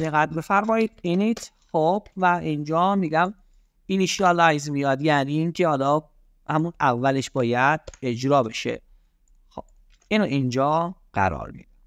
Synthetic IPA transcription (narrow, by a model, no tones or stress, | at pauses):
eɣæt̪befæɾmɒːiːd̪̥iniːt̪ʰ | xob̥væind͡ʒɒːmiːɡæm | iliʃiɑlɒjzmijɒːd̪ɡæɾd̪iːmcʰehɒːlɒː | hæmunævːæle̞ʃbɒːjæd̪̥̚e̞d͡ʒɾɒːbe̞ʃḛ | xob | inoʔind͡ʒɒːɢ̥æ̰ɾɒ̰ːɾmḭːd̪e